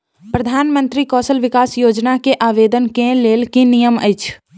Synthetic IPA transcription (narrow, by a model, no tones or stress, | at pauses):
pɾəd̪ʱaːnmə̃nt̪ɾikɔːsəlʋɪkaːsjoːd͡ʒnakeʔaːʋeːd̪ənkẽleːlkinijəmə̰ɪt͡ʃʰ